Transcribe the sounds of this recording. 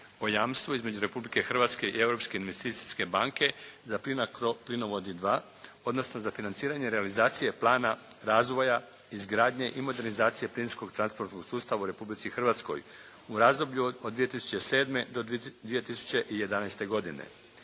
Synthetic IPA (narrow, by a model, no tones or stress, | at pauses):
o̞jaːmst̪ʋuizme̞d͡ʑuɾe̞publike̞xr̩ʋat̪ske̞ie̞vɾo̞pske̞inʋest̪iːt̪siske̞baŋke̞zaplinakoplinoʋo̞d̪id̪ʋa | o̞d̪no̞sno̞zafinant̪siːɾaɲe̞ɾealizaːt̪sije̞plˠaːnaɾaːzʋo̞ja | izɡɾaːd̪ɲe̞ʔimo̞d̪e̞ɾnizaːt̪sije̞plinsko̞ɡt̪ɾanspo̞ɾt̪noɡ̥suːst̪aʋauɾe̞publit̪sixrʋaːt̪sko̞̰j | uɾaːzd̪o̞bʎuod̪ːʋije̞t̪isu̥t͡ɕese̞ːd̪me̞d̪od̪ʋije̞t̪isu̥t͡ɕe̞ʔije̞d̪anajst̪e̞ɡo̞d̪ine̞̰